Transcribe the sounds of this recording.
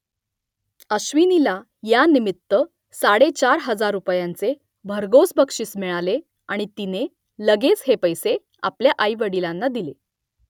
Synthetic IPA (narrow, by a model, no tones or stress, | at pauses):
əɕʋinila | janimit̪ːə | saɽet͡ɕaɾɦəd͡zaɾːupjãnt͡se | bʱəɾɡosbʱəkʂiːsmiɭale | aɽ̃it̪ine | ləɡet͡shepəjse | a̰pljaʔajʋəɽilanːad̪ile